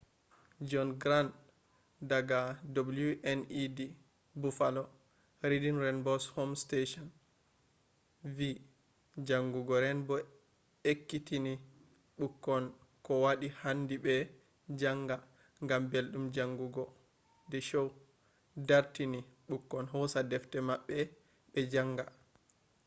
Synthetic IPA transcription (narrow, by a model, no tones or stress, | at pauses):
d͡ʒɔnɡɾan | daɡadabuluʔɛnidi | bufalɔ | ɾidinɾɛnbɔshomsteʃɔn | vi | d͡ʒaŋɡuɡɔɾɛnbɔ | ekːitini | ɓukːɔn | kɔwaɗihandiɓɛ | d͡ʒaŋɡa | ŋɡambelɗumd͡ʒaŋɡuɡɔ | dɛʃow | daɾtiniɓukːɔnɦɔsadɛftɛmaɓːɛ | ɓɛd͡ʒaŋɡa